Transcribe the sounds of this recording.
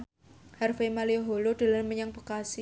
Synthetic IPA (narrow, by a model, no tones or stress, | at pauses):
harfemalioɦolod̥a̤lanməɲaŋpokasi